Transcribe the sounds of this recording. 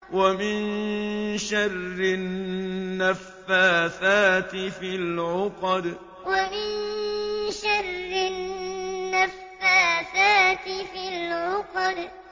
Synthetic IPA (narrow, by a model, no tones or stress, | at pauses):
wamɪn | ʃarːɪː | afːaːθaːt̪ɪfilʕʊqd̪ | wamɪn | ʃarˤːɪ | nːafːaːθaːt̪ɪfilʕʊqd̪